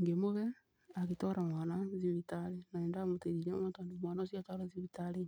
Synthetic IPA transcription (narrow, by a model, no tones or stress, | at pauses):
ŋɡemoβɛ | aɣetɔɾʔamwaːnaziβitaɾenaɛːndamoteɾiɾɛmotandemwaːnaosiatɔɾaziβitaɾe